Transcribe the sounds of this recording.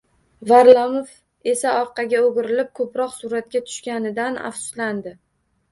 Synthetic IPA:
vaɾlˠamof | e̞saɒɾqɑɡʲaoɡʲɪɾɪlɪp̚kʰɵpɾɒqsʊɾat̪̚kʲat̪ʰʊ̥ʃkʲanɪd̪ana̰fsʊ̥sland̪ɪ

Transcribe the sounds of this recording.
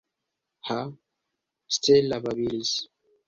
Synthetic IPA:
ha | stelabaβilis

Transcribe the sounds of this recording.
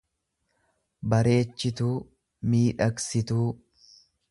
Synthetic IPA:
bɐɾe̞ːt͡ʃːɪt̪uː | miːᶑɐksɪt̪uː

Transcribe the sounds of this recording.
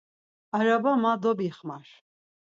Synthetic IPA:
aɾabamad̪ɔbiχmaɾ

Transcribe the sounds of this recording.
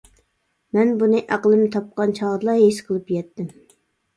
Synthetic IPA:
mɛnbunɨʔæqəlˠɨmnɨt̪ʰɑp̚qɑnt͡ʃʰɑʁɾlˠɑɦeʃqʰəlˠɨpjɛt̪ːɪm

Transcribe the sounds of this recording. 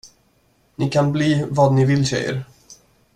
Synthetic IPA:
nɪkʰanbliːvɑːd̪nɪvɪlɕɛ̰jə̰ɾ

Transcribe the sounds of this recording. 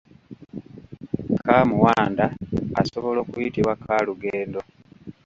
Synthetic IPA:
kʰaːmuwaːndaːso̞βo̞lo̞ːkujitiβwakʰaːluɡeːndo̞

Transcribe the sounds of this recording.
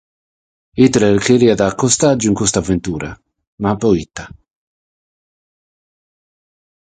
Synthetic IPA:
it̪leɾkeliad̪akːost̪ad͡ʒːoiŋkwest̪avːent̪uːɾʔa | mapːɔit̪ːa

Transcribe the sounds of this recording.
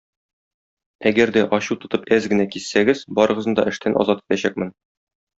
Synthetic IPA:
æɡæɾd̪æʔɒɕut̪ŏt̪ɤpæzɡɘ̆nækisːæɡɘz̥bɒɾɤ̆ʁɤ̆ɤd̪ɒ̰ʔɘ̆ʃt̪ʰænʔɒ̰zɑt̪ɤ̥pæɕæk̚mɘn

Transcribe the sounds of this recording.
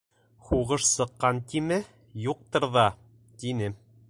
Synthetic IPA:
χuʁɤʃsɤ̆qːɑnt̪imɘ | juq̚t̪ɤɾðɑ | t̪inɘ

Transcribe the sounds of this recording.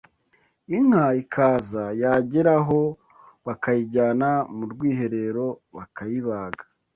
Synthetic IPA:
iŋ̥haikʰaːzajaɟeɾaɦo̞ | βakajiɟaːnamuɾɡwiːɦe̞ɾe̞ɾo̞βakajiβaːɡḁ

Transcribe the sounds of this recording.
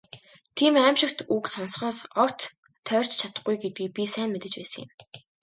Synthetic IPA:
t̪ʰiːmæːmʃɪ̆kt̪uksɔnsχɔːsɔkt̪ʰː | œːr̥ʲt͡ɕt͡ɕʰat̪ə̆χɡujɡet̪̚ɡiːk̚pʲisæːnmet̪ɘ̆t͡ɕpæ̰ːsə̆ŋjɪ̰̆m

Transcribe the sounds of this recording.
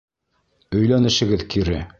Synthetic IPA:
ɵ̆jlænɘ̆ʃɘ̆ɡɘðkiɾɘ

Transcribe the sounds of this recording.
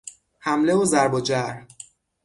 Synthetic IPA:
hæmle̞ozæɾbod͡ʒæɾ

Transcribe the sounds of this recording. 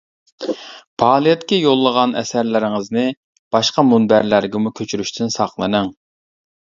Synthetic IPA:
pʰɑːlˠijɛt̪kʲɛjolˠːəʁɑnɛ̰sæɾlɪɾɪŋəznɨ | b̥ɑʃqɑmunbæɾlæɾɡʲɛmukʲʰøt͡ʃʰyɾyʃt̪ʰynsɑχlˠɨnɨŋ

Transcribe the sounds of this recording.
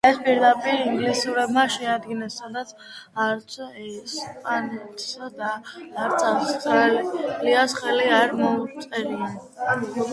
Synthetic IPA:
ɛspʼiɾd̪apʼiɾiŋɡlisuɾɛbmaʃɛad̪ɡinasːad̪at̪sʰaɾt̪sʰɛspʼanɛt̪ʰʼsd̪aːɾt̪sʰasχaliliasχɛliaɾmɔut̪sʼɛɾian

